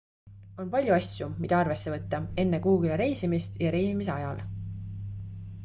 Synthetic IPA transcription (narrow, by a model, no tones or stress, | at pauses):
o̞npɑlʲjuɑsʲjumid̪ɑɑrve̞sːe̞vɤt̪ːɑe̞nːe̞kuːɡileɾe̞jsimist̪jɑɾe̞jsimise̞ɑjɑl